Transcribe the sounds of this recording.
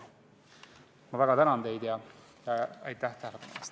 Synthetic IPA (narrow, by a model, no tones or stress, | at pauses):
mɑvæɡ̥ɑt̪ænɑnd̪e̞jd̪jɑ | jɑɑ̰jt̪ːæht̪æhælepɑnḛest̪